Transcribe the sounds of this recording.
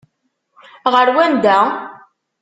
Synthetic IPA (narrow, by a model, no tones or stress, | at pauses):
ʁəɾwænd̪æ